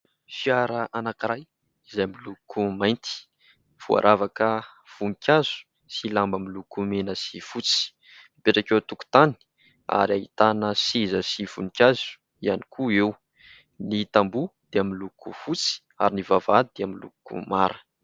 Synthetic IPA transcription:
fiaɾəʔanakiɾaj | izajmilukumajnt̪i̥ | v̥ua̰ɾʔavakə | v̥unikʰʲazu̥ | silambamilukumenəsifut͡si̥ | mipeʈ͡ʂakewt̪uku̥t̪ani̥ | a̰ɾaɦit̪anəsizəsifṵnikʲazu̥ | ianikʰuew | nit̪ambud̪̥eamilukʰufut͡si̥ | a̰ɾinivavad̪id̪̥eamilṵkṵmaɾə

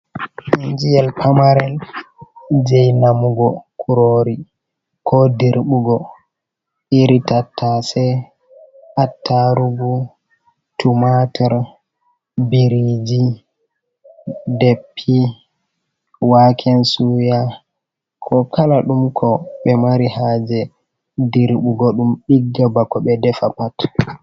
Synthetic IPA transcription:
ʔind͡ʒijɛlpʰamaɾɛl | d͡ʒɛjnamuɡɔkʰuɾoɾi | kʰɔdiɾɓuɡɔ | ʔiɾitatʰːasɛ | ʔatʰːaɾuɡu | tumatʰɛɾ | biɾid͡ʒi | depʰːi | wakʰɛnsuja | kʰɔkʰalaɗumkʰɔɓɛmaɾihaːd͡ʒɛ | diɾɓuɡɔɗumɗiɡːabakɔɓɛdɛfapat

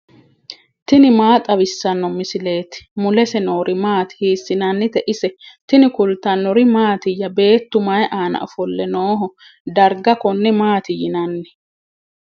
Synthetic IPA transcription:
t̪ɪnɪmaːt̪ʼɐβɪsːɐnːɔmɪsɪle̞ːt̪ɪ̥mʊlɛsɛno̞ːɾʔɪmaːt̪ɪ̥hiːsːɪnɐnːɪt̪ɛʔɪsɛt̪ɪnɪkʊlt̪ɐnːɔɾɪmaːt̪ɪjːɐbe̞ːt̪ːʊmɐjʔaːnɐ̰ʔɔfɔlːɛnoːɦɔ | d̪ɐɾɡɐkɔnːɛmaːt̪ɪjɪnɐnːɛ

